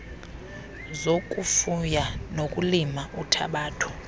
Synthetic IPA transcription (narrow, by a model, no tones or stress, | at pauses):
zokʼufujanokʼulimautʰa̰ɓaːtʰu̥